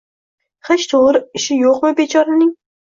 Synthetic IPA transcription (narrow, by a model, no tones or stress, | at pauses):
χet͡ʃt̪ʰoʁɾɪɪʃɪjoqmɪbet͡ʃʰɒɾanɪŋ